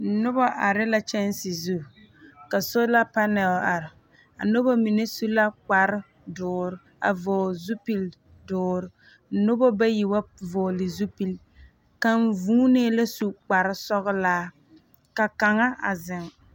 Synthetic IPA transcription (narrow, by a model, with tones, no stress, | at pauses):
n̩˨nʊ˦bɔ˦ʔa˨ɾɪ˦la˦t͡ʃɛ˦n˦sɪ˨zu˦˨ | ka˨so˦la˦pa˦nɛ˨la˨ɾɪ˨ | a̰˨nʊ˦ba˦mi˨ne˦su˦la˦k͡pa˨ɾɪ˦ | dʊː˨ɾ | a̰˨voː˨zu˦pi˨l | dʊː˨˦ɾɪ˨ | n̩˨nʊ˦bɔ˦ba˦ji˨wa˦vɔː˨lɪ˨zu˦pi˨l | ka˦ɱ˦vuː˦neː˦la˦su˦k͡pa˨ɾɪ˦sɔ˦ɣʊ˦laː˦ | ka˨ka˨ŋa˦a̰˨zɪ˨ŋ